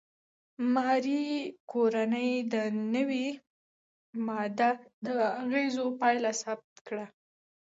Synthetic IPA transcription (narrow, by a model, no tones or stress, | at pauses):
mɑɾikoɾanəjd̪ənəwi | mɑd̪ad̪əaɣezopɑjlasab̚t̪kɽa